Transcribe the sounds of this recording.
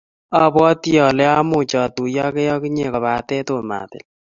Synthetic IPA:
a˦bwɔ˦ti˦jɔ˨lɛ˦a˦mu˦˨t͡ʃɔ˨tu˨jɔ˦ke˦jɔ˦ki˦ɲe˨kɔ˨ba˨tɛ˦to˦˨ma̰˨tɪ̰˨l

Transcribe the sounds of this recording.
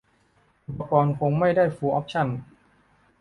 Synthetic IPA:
ba˧kɔː˧nkʰo˧ŋma˥˩jdaː˥˩jfuː˧ʔɔː˦˥p̚t͡ɕʰa˥˩n

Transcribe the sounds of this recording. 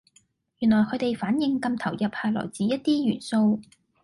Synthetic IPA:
jy˨˩nlɔː˨˩jkʰɵ˨˧˥t̪e˨jfaː˨˥njɪ˧ŋkɐ˧mt̪ʰɐ˨˩wjɐ˨p̚haː˨˩jlɔ̰ː˨˩jt͡siː˨˥jɐ˥t̚t̪iː˥jyː˨˩nso˧w

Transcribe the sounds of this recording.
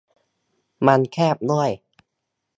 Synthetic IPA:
ma˧nkʰɛː˥˩p̚nu˥˩əj

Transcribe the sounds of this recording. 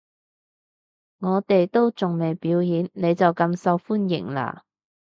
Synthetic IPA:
ŋɔː˨˧t̪e˨jt̪o˥wt͡sʊ˨ŋme˨jpiː˨˥wjiː˨˥nne˨˧jt͡sɐ˨wkɐ˧msɐ˧wfuː˥njɪ̰˨˩ŋla̰ː˧˩

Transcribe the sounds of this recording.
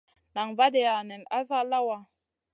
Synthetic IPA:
na˨ŋva˦dɛ˨ja˨nɛ˨na˦za˦la˦wa˨

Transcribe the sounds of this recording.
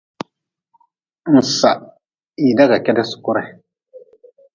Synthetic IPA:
n̩˨sa˨ʔ | i˨da˦ɡa˨kɛ˦da˦sʊ̥˨kʊ˦ɾa˨

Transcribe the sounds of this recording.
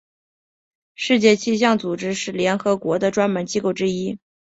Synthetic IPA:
ʂɻ̩˥˧t͡ɕjɛ˥˧t͡ɕʰi˥˧ɕ̬jɑ˥˩ŋt͡su˨˩ʈ͡ʂɻ̩˥ʂɻ̩˥˩ljɛ˧˥nxɤ˧˥kwɔ˧˥d̪ə˧ʈ͡ʂwa˥nmə˧˥nt͡ɕi˥ko˥˩ʊʈ͡ʂɻ̩˥i˥

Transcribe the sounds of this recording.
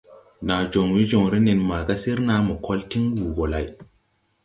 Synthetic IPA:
na˨d͡ʒo˨ŋwi˦d͡ʒo˨ŋɾi˦ne˨nma˨ɡa˦si˦ɾna˦mo˨kʰo˦lti˦ŋwu˨ɡo˨la˨j

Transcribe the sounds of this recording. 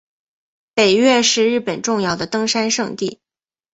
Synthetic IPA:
pe˨˩ɪɥɛ˥˧ʂɻ̩˥˧ɻɻ̩˥˩pə˨˩nʈ͡ʂʊ˥˧ŋjɑ˥˩ʊd̪ə˩t̪ɤ˥ŋʂa˥nʂɤ˥˧ŋt̪i˥˩

